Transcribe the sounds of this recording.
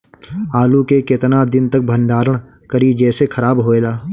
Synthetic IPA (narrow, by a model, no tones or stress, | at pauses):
aːlukekɪt̪nad̪ɪnt̪ɐk̚bʱə̃nɖaːɾəɽ̃ | kɐɾid͡ʒɛːsekʰɐɾaːbɦoːeːlaː